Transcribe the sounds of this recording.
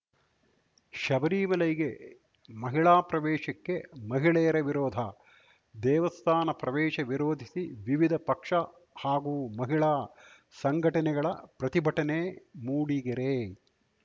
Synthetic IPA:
ʃɐbɐɾiːmɐlɐjɡe | mɐɦiɭaːpɾɐʋɛːʃɐkːe̞mɐɦiɭɛjɐɾɐʋiɾoːd̪ʱɐ | d̪ɛːʋɐst̪ʰaːnɐpɾɐʋɛːʃɐʋiɾoːd̪ʱisiʋiʋid̪ʱɐpɐkʂɐ | haːɡuːmɐɦiɭaː | sɐŋɡʱɐʈɐnɛɡɐɭɐpɾɐt̪ibʱɐʈɐnemuːɽiɡɐɾe

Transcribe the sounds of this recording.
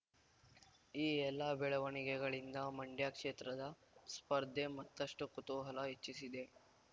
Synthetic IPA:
iːɛlːɐbɛɭɐʋɐɳiɡɛɡɐɭind̪ɐmɐɳɖjaːkʂeːt̪ɾɐd̪ɐ | spɐɾd̪ʱemɐt̪ːɐʂʈukut̪uːɦɐlɐɦet͡ʃːisid̪e̞

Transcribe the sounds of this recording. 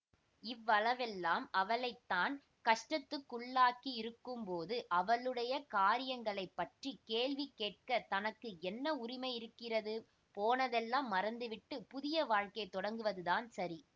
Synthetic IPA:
ɪʋːɐɭɐʋɛlːaːmɐʋɐɭɐɪt̪ːaːn | kɐʂʈɐt̪ːɯkːʊɭːaːkiɪɾɯkːɯmpoːðɯʔɐʋɐɭɯɽɐjɐkaːɾɪjɐŋɡɐɭɐɪpːɐʈrikeːɭʋikːeːʈ̚kɐt̪ɐnɐkːɯɛnːɐʊɾɪmɐɪɪɾɯkːɪrɐðɯ | poːnɐðɛlːaːmːɐɾɐnd̪ɯʋɪʈːɯpʊðɪjɐʋaːɻkɐɪt̪ːɔɽɐŋɡɯʋɐðɯðaːnsɐɾi

